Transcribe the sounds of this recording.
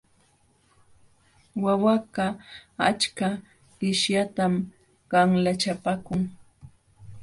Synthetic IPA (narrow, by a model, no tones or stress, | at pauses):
wawaɢɑat͡ʃka | ɢɪʃjat̪am | ɢɑŋlat͡ʃapakʊŋ